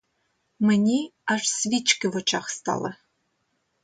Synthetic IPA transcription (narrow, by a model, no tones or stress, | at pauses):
mɨnʲiaʂsvʲit͡ʃkɨvɨt͡ʃʰaχst̪a̰lɐ̰